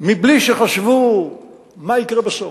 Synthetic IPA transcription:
mibliʃeχaʃvu | maikʁebeso

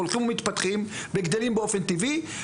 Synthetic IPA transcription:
olχimumit̪pat̪χimbeɡd̪elimbeo̞fent̪ivi

